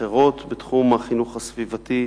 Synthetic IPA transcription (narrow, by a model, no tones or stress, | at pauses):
eʁo̞t̪bet̪χumaχinuχhasvivat̪i